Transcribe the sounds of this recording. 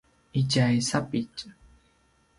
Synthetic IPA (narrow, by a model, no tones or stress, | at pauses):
ɪt͡ʃajsapɪt͡ʃ